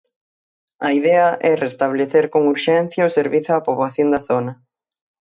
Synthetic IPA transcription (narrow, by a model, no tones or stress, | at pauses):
ɐiðɛɐʔɛrest̪aβ̞leθeɾkoŋuɾʃɛn̟θjɐoseɾβiθʊapoβlaθjond̪ɐθonɐ